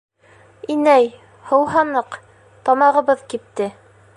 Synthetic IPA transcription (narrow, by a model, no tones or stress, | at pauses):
inæj | hɤ̆wɦɑnɤq | t̪ɑmɑʁɤ̆βɤðkip̚t̪ɘ